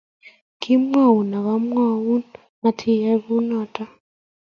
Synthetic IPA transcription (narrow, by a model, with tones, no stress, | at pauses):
kʰɪ˦mwa˦˨u˨na˨ɣa˦m˦a˦˨wu˦n | ma˨tʰi˦˨jɛ˦βu˦nɔ˨ta˦